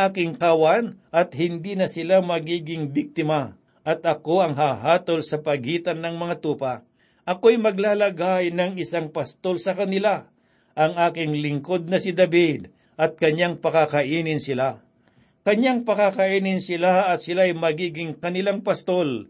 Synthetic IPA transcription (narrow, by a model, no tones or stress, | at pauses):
aːkɪŋkawanʔɐt̪̚hɪnd̪iːnɐsɪlamɐɡiːɡɪŋbɪk̚t̪ɪma | ʔɐt̪ʔɐko̞ɐŋɦaːɦaːt̪o̞lsɐpɐɡiːt̪ɐnːɐŋmɐŋat̪uːpɐ | ʔɐkoɐjmɐɡlaːlɐɡajnɐŋɪsaŋpɐst̪o̞lsɐkɐnɪla | ʔɐŋaːkɪŋlɪŋko̞d̪̚nɐsɪd̪ɐbid̪ | ʔɐt̪̚kɐɲaŋpɐkakɐʔiːnɪnsɪla | kɐɲaŋpɐkakɐʔiːnɪnsɪlaɐt̪̚sɪlaɐjmɐɡiːɡɪŋkɐnɪlaŋpɐst̪o̞l